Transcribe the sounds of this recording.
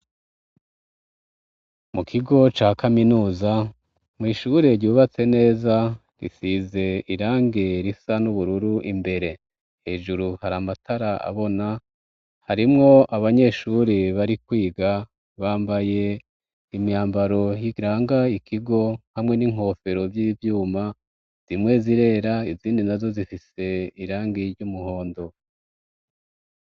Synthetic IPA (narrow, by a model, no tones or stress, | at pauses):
mukʰiɡo̞t͡ʃaːkaminuːza | mŋiːʃuɾe̞ɾɟuːβat͡se̞ne̞ːza | ɾḭsize̞iɾaːŋɡe̞ɾisanuβuɾuɾuʔimbe̞ɾe̞ | he̞ːʒuɾuhaɾamatʰaɾaʔa̰βo̞na | haɾimŋo̞ʔaβaɲe̞ʃuɾiβaɾikwiːɡa | βaːmbaje̞ | imaːmbaɾo̞jiɾaːŋɡaikʰiɡo̞hamŋe̞niŋ̥ho̞ːfe̞ɾo̞vjivjuːma | z̥imŋe̞ziɾe̞ːɾaiziːndinazo̞zifise̞iɾaːŋɡeɾɟumuho̞ːndo̞